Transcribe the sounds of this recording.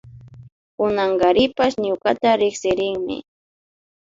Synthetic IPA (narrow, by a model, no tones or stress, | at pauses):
kʊnaŋɡaɾɪpasɲʊkat̪aɾɪksɪɾɪŋmɪ̰